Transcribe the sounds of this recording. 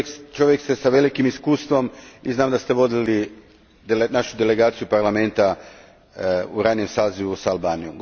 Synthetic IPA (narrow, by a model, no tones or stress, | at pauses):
t͡ʃo̞ʋjekst̪esaʋe̞likimiskuːst̪ʋo̞miznaːmd̪ast̪e̞ʋo̞d̪ili | d̪naʃud̪ele̞ɡaːt̪sijupaɾlame̞nt̪a | uɾanje̞msaːziʋusaːlbaːnijomɡ